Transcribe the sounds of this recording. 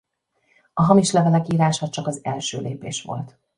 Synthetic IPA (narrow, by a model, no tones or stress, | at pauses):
ɒɦɒmiʃlɛvɛlɛkiːɾaːʃɒt͡ʃɒkɒzɛlʃø̰ːleːpeːʃʋo̞̰lt̪